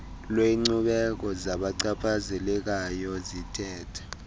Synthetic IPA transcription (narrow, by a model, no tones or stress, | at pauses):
lweŋ͡ǀuɓɛk̬ɔzaɓaǀapʰazɛlɛk̬ajɔzitʰʼɛːtʰḁ